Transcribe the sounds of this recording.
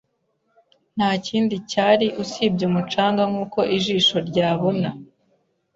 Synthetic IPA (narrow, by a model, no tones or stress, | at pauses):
n̥haːciːndicaːɾiʔusiːb̚ɟumut͡ʃaːŋɡaŋuːko̞ʔiʒiːʃo̞ɾɟaːβona